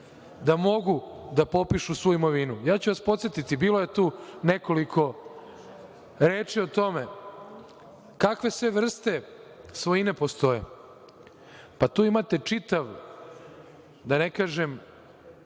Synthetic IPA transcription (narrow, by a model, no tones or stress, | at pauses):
d̪amo̞ɡud̪apo̞piʃusʋuuimo̞ʋinujaːt͡ɕuʋaspot̪sje̞t̪it̪ibiːlojet̪uːneko̞likʰo̞ | ɾeːt͡ʂiot̪o̞me | kakʋe̞sʋe̞ʋr̩st̪e̞sʋojine̞po̞st̪o̞jḛ | pat̪uːimat̪e̞t͡ʂit̪aʋ | d̪anekaːʒem